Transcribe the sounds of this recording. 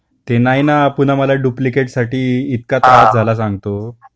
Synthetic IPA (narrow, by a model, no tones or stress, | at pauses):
t̪enainapuɳ̤aməlaɖuplikeʈsaʈiːt̪kat̪aɦat̪̚d͡zʱalas̬ãŋɡt̪o